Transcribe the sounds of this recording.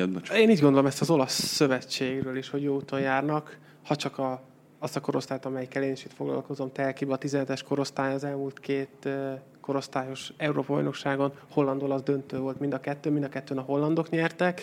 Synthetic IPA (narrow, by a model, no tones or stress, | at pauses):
eːniːɟɡo̞nd̪olo̞mɛst̪ɒzo̞lɒsːø̞vɛt͡ʃːeːɡrøːliʃho̞ɟjoːut̪o̞njaːrnɒk | hɒt͡ʃɒkɒ | ɒst̪ɒko̞ɾo̞st̪aːjt̪ɒmɛjkːɛleːniʃit̪fo̞ɡlɒ̰lko̞zo̞mt̪ɛlkibɛːt̪izɛnɛt̪ɛʃko̞ɾo̞st̪aːjɒzɛlmuːlt̪keːt̪ | ko̞ɾo̞st̪aːjo̞ʃɛuɾoːpɒbɒ̰jno̞kʃaːɡo̞nho̞lːɒnd̪olɒzd̪ø̞nt̪øːvo̞lt̪mind̪ɒkɛt̪ːøːmind̪ɒkɛt̪ːøːnɒɦo̞lːɒnd̪o̞kɲɛrt̪ɛk